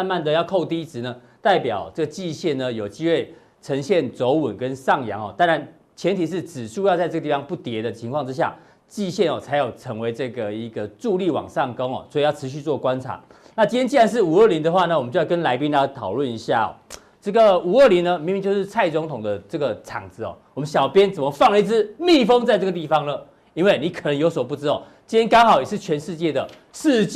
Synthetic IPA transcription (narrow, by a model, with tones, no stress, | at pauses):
ma˥˧nma˥˨nd̪ə˨jɑ˥˧ʊkʰo˥˧ʊt̪i˥t͡sɻ̩˨˥˦nə˨ | t̪a˥˩ɪpjɑ˨˩ʊʈ͡ʂə˥˩ɡə˩t͡ɕi˥˧ɕjɛ˥˩nnə˩jo˨˩ʊt͡ɕi˥xwe˥˩ɪ | ʈ͡ʂʰə˧˦˥ŋɕjɛ˥˨˩nt͡so˧˥ʊwə˨˩nkə˦nʂɑ˥˨ŋjɑ̰˧˥ŋɔ˨˩t̪a˥nɻa˧˦n | t͡ɕʰjɛ˧˥nt̪ʰi˨˩ʂ̬ɻ̩˥˩t͡sɻ̩˨˩ʂu˥˧jt͡sa˥˧ɪʈ͡ʂɤ˥˩˧t̪i˥˩fɑ˧˥ŋpu˥˩t̪jɛ˧˥d̪ə˨t͡ɕʰi˧˥ŋkʰwɑ˥˨˧ŋʈ͡ʂɻ̩˦ɕ̬ja̰˥˩ | t͡ɕi˥˧ɕjɛ˥˩nɔ˨˩t͡sʰa˧˥ɪjo˨˩ʊʈ͡ʂʰɤ˧˥ŋwe˧˥ɪʈ͡ʂɤ˥˩ɡə˩i˧˦˥ɡə˨ʈ͡ʂu˥˧li˥˩wɑ̰˨˩ŋʂɑ˥˩ŋko˥ŋɔ̰˨˩swɔ˧˥i˨jʊʈ͡ʂʰɻ̩˧˦ɕ̬y˥˧t͡swɔ˥˩kwa˦nt͡sʰa̰˨˦ | na˥˩t͡ɕi˥nʰjɛ˥t͡ɕi˥˩a˧˥nʂ̬̩˥˩u˨˩ə˥˩li˧˥nd̪ə˨xwa˥˩nə˧˩wmə˦t͡ɕjjɑ˥˧kə˦nla˧˥ɪpi˥na˧˥t̪ʰɑ˨˩ʊlwə˥˩ni˧˥ɕja̰˥˩ɔ̰˨˩ | ʈ͡ʂɤ˥˩ɡə˨˩u˨˩ə˥˩li˧˦nnə˧mi˧˥mi˧ŋt͡ɕjo˥˧ʊʂɻ̩˥˧t͡sʰa˥˩ɪt͡sʊ˧˥ŋt̪ʰʊ˨˩ŋd̪ə˦ʈ͡ʂɤ˥˩ɡə˩ʈ͡ʂʰɑ̰˨˩ŋt͡sɹ̩˦ɔ̰˨˩wɔ˨˩mə˦nɕjɑ˨˩ʊpjɛ˦˥nt͡sə˨˩mə˦fɑ˥˩ŋə˧i˥˩t͡sɹ̩˥˩mi˥˩fɤ˥ŋt͡sa˥˧ɪʈ͡ʂɤ˥˩ɡə˩t̪̬i˥˩fɑ˨˩ŋlə˨ | i˥nwe˥˩ɪni˨˥kʰə˨˩nə˧˦jo˧˥ʊswɔ˨˩p̬u˥˩ʈ͡ʂɻ̩˥t̪ | t͡ɕi˥jɛ˥nkɑ˥ŋxɑ˨˩ʊjɛ˨˩ʂɻ̩˥˩t͡ɕʰɥɛ˧˥nʂɻ̩˥˧t͡ɕjɛ˥˩d̪ə˩ | ʂ̩˥˧